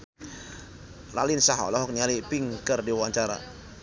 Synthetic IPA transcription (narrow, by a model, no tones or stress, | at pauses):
ra̰linsaɦɔ̰lɔɦɔk̚nialipiŋkərdiwaɲt͡ʃaɾa̰